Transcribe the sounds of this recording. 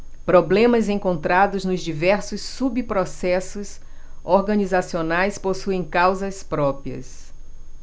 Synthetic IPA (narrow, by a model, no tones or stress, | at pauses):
pɾoblẽmɐzẽŋkõnt̪ɾad̪ʊznʊzd͡ʒivɛɾsʊsːubipɾosɛsʊs | oɾɡɐ̃nizasionajsposuẽj̃kawzɐspɾɔpɾiɐ̰s